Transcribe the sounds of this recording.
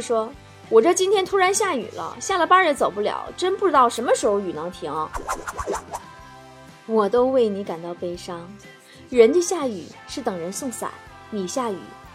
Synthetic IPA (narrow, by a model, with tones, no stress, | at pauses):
ʂwɔ˥ | wɔ˨˩ʈ͡ʂɤ˥˩t͡ɕi˥nt̪ʰjɛ˥nt̪ʰu˥ɻa˧˥nɕja˥˩y̰˨˩lə̰˦ɕja˥˩lə˨˩pa˥ɻə˧˥nt͡so˨˩ʊp̬u˥˩ljɑ̰˨˩˦ʊʈ͡ʂə˥npu˥˩ʈ͡ʂɻ̩˥t̪ɑ˥˩ʊʂə˧˥nmə˧ʂɻ̩˧˥xo˧ʊy˨˩nɑ˧˥ŋt̪ʰi˧˥ŋɔ˥˧ | wɔ˨˩t̪o˥ʊwe˥˩ɪni˧˥ka˨˩nt̪ɑ˥˩ʊpe˥ɪʂɑ˥ŋ | ɻə˧˥nd̪ə˧ɕja˥˩y̰˨˩˦ʂɻ̩˥˩t̪ɤ˨˩ŋɻə˧˥nsʊ˥˧ŋsa̰˨˩˦ | ni˨˩ɕja˥˩y̰˨˩˦